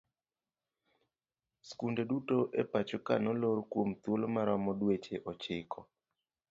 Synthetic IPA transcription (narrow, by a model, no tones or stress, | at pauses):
skundedutoʔepat͡ʃokanɔloɾkwomt̪wolmaɾamɔdwet͡ʃeʔɔt͡ʃɪkʰɔ